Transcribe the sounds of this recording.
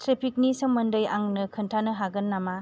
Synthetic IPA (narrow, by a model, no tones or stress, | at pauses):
tɾepʰik̚nisɯŋmɐndəjaŋnɯkʰɯntʰanɯɦaɡɐnːama